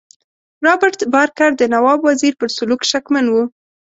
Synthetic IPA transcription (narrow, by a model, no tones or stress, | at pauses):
ɾɑbɪɾt̪bɑɾkaɾd̪ənawɑbwaziɾpəɾsʊlukʃakmanwu